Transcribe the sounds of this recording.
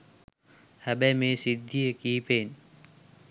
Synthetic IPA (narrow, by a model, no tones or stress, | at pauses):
həbɛːmẽːsɪd̪ʱːijəkiːpʰeːn